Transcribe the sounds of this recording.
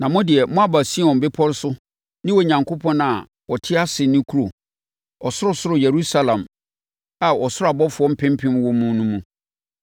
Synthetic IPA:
nã˨mʊ̃˦dɪ˨ɛ˨mʊ̃˦a˨ba˨si˦˨ɔ̃˨m̩˨bɪ˦pʰɔ˦ɾɪ˦sʊ˦ | nɪ̃˦wɔ˨ɲã˨ŋkʰo˦pʰɔ̃˦na˨ | wɔ˨tʰɪ˦a˦sɪ˨nĩ˦kʰu˦ɾo˨ | ɔ˨sʊ˦ɾʊ˦sʊ˦ɾʊ˨je˨ɾu˦sa˦lã˨m | a˨ɔ˨sʊ˦ɾʊ˦a˨bɔ˦fʊ˨ɔ̃˦m̩˦pʰɪ̃˦m˦pʰɪ̃˦m˦wɔ̃˦mũ˦nũ˦mũ˦

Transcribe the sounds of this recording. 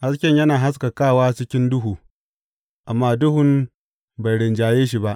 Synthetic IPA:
ha˦skʲɛ˦ɲjɐ˦naː˨ɦa˦s̬ka˨kaː˦˨waː˦t͡ʃɪ˦kʲɪ˦ndʊ˦ɦuː˨ | ʔa˨mːaː˦dʊ˦hʊ˨m | ba˨jɽɪ˨nd͡ʒaː˨jeː˦ʃ̬i˨ba˦ʔ

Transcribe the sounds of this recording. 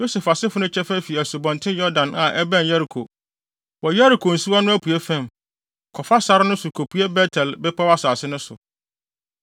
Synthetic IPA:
jo˦sɛ˨fa˨sɪ˦fʊ˨nʊ̃˦t͡ɕʰɛ˦fæ˦fi˨æ˨su˨bɔ̃˨ntʰɪ̃˦jɔ˦dã˨nʔã˨ʔɛ˦bæ̃˦˨njɛ˦ɾi˨kʰo˨ | wɔ˨jɛ˦ɾi˨kʰo˨n̩˨su˦a˦nʊ̃˦æ˦pʰu˨e˦fæ̃˦˨m | kʰɔ˨fa˦sa˦ɾɪ˦nʊ̃˦sʊ˨kʰo˨pʰu˦e˦bɛ˦tʰɛ˨lbɛ˦pʰa˦wa˦saː˨sɪ˦nʊ̃˦sʊ̰˨

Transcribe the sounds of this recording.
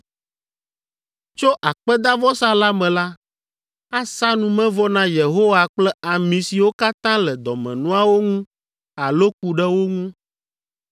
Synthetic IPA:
t͡ʃo˦ʔa˨k͡pɛ˦d̪a˦vɔ˦sa˦la˦mɛ̃˨la˦ | a˦sa˦nũ˨mɛ̃˦vɔ˦nã˦je˨ɦo˦wa˨k͡plɛ˦a˨mĩ˨si˨wo˦ka˦t̪ã˦lɛ˨d̪ɔ˨mɛ̰̃˨nũ˦a˦wo˦ŋũ˦ | a˨lo˦k̚u˨ɖɛ˦wo˦ŋũ˦

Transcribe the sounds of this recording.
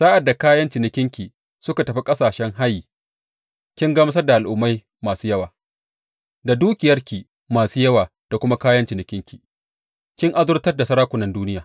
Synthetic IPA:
saː˦ʔa˨dːa˨kaː˦jɐ˦nt͡ʃɪ˨nɪ˨kʲɪ˦ŋkʲiː˨ | sʊ˦ka˨tɐ˨ɸi˦kʼɐ˦saː˨ʃɛ˦ŋɦa˦jːiː˨ | kʲɪ˦ŋɡɐ˦mɐ˦s̬ɐ˦rda˨ʔa˨lʔʊ˦mːa˦j | maː˨suː˦jɐ˦waː˨ | da˨duː˦kʲɪ˨jɐ˦rkʲiː˨ | maː˨suː˦jɐ˦waː˨ | d̥a˨kʷʊ˦ma˦kaː˦jɐ˦nt͡ʃɪ˨nɪ˨kʲɪ˦ŋkʲiː˨ | kʲɪ˦ŋʔa˦zʊ˦rtɐ˦rda˨sɐ˦ɾaː˦kʷʊ˨nɐ˦nduː˦nɪ˦jaː˨

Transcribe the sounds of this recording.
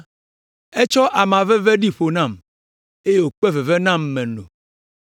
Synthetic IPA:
e˦t͡ʃɔ˦ʔa˨mã˨vɛ˦ve˦ɖi˦ɸo˨nã˦˨m | e˦je˦wo˨k͡pɛ˦ve˨vɛ˦nã˦mːɛ̃˨nõ̰˨

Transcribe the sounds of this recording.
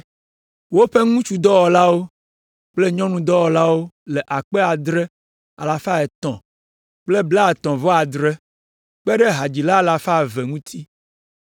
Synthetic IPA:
wo˦ɸe˦ŋũ˦t͡ʃu˦d̪ɔ˦wɔ˨la˦wo˦ | k͡ple˦ɲɔ̃˦nũ˦d̪ɔ˦wɔ˨la˦wo˦le˨ʔa˨k͡pɛ˦a˨d̪ɾɛ˦ | a̰˨la˨fa˦ɛ˨t̪ɔ̰̃˨ | k͡ple˦bla˦˨t̪ɔ̃˨vɔ˦a˨d̪ɾe˦ | k͡pɛ˦ɖɛ˦ɦa˨d͡ʑi˨la˦a˨la˨fa˦˨vɛ˨ŋũ˦t̪ʰi˦

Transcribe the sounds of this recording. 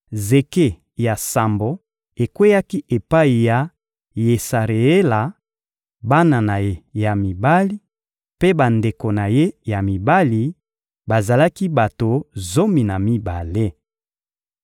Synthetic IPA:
ze˨ke˦˨ | ja˨sa˨mbo˨ | e˨kwe˦ja˦ki˦ʔe˨pa˦i˨ja˨ | je˨sa˨ʁe˨e˦la˨ | ba˦na˨na˨je˦ja˨mi˨ba˦li˦ | pe˦ba˨nde˨ko˨na˨je˦ja˨mi˨ba˦li˨ | ba˨za˨la˦ki˦ba˨to˨zo˦mi˨na˨mi˦ba˨le˦

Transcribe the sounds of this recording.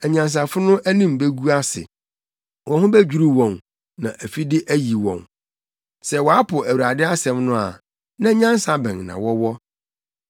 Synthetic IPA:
ɛ˨ɲã˨ns̬a˨fʊ˦nʊ̃˦ʔæ˦nĩ˦m˨be˦ɡu˦a˦sɪ̰˨ | wʔɔ̃˨hʊ̃˦bæ˦d͡ʑᶣu˨ɾu˦wɔ̃˨n | nã˨ʔæ˨fi˦dɪ˦ʔæ˦ji˨wɔ̰̃˨n | sɛ˦wɔ˨a˦pʰʊ˨æ˨wu˨ɾa˨dɪ˦a˦sɛ̃˨mnʊ̃˦a̰˨ | nã˦ɲã˦n˦sa˨bɛ̃˨ŋnã̰˨wɔ˦wɔ˦

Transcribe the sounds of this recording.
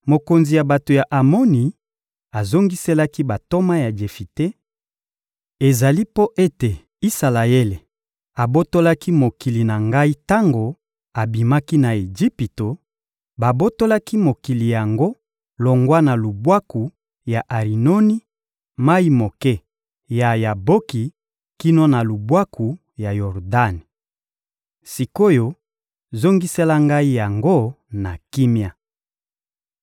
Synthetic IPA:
mo˨ko˨nzi˨ja˨ba˨to˨ja˨ʔa˨mo˦ni˨ | a˨zo˦ŋɡi˦se˦la˦ki˦ba˨to˦ma˦ja˨d͡ʒe˨fi˨te˦ | e˨za˨li˦po˦ʔe˦te˨ | i˦sa˨la˨e˦le˨ | a˨bo˦to˦la˦ki˦mo˨ki˨li˨na˨ŋɡa˦i˦ta˦ŋɡo˨ | a˨bi˨ma˦ki˦na˨e˨d͡ʒi˦pi˨to˨ | ba˨bo˦to˦la˦ki˦mo˨ki˨li˨ja˨ŋɡo˦ | lo˨ŋɡwa˦na˨lu˨bwa˦ku˨ | ja˨ʔa˨ʁi˨no˦ni˦ | ma˦i˦mo˨kɛ˦ | ja˨ja˨bo˦ki˨ | ki˦no˦na˨lu˨bwa˦ku˨ | ja˨jɔ˨ʁda˦ni˨ | si˨ko˦jo˨ | zo˦ŋɡi˦se˦la˦ŋɡa˦i˦ja˨ŋɡo˦ | na˨ki˦mja˨

